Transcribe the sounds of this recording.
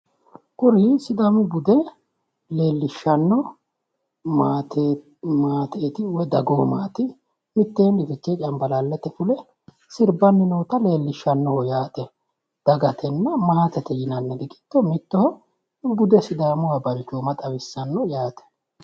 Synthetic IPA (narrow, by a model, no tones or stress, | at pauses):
kʼʊɾisɪd̪amʊbʊd̪ɛ | leːlːɪʃːɐnːɔ | mat̪ | maːt̪eːt̪ɪwɛd̪ɐɡoːmaːt̪ɪ | mɪt̪ːeːnɪfɪt͡ʃːɛt͡ʃʼɐmbɐlalːɛt̪ːɛfʊlɛ | sɪɾbɐnːɪnoːt̪ɐle̞ːlːɪʃːɐnːɔhɔjaːt̪ɛ | d̪̥ɐɡɐt̪ɛnːɐmaːt̪ɛt̪ɛjɪnɐnːɛɡ̪ɪkʼɪ̥t̪ːɔmɪt̪ːɔhɔ | bʊd̪ɛsɪd̪amʊwabɐɾt͡ʃːoːmɐt̪ʼɐwɪsːɐnːɔjaːt̪ɛ̥